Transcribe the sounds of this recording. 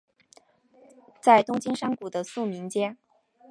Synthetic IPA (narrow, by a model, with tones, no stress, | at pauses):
t͡sa˥˩ɪt̪ʊ˥ŋt͡ɕi˥nʂɑ˥ŋku˨˩d̪ə˦su˥˩mi˧˥ŋt͡ɕjɛ˥n